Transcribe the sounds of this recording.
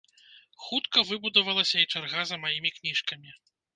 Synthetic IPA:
xut̪kɐvɨbud̪ɐvɐlˠɐsʲɐit͡ʂarɣazɐmajimʲiknʲiʂkɐmʲi

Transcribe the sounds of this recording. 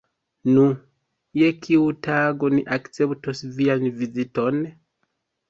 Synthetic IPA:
nu | je̞kʰiutaɡo̞niʔakt͡se̞ptosvianvizito̞n

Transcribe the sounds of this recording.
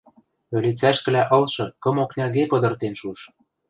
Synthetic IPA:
ø̆lit͡sæʃkɘ̆læʔɤ̆lʃɤ̆kɤ̆moknʲɑɣepɤ̆d̪ɤ̆rt̪enʃuʃ

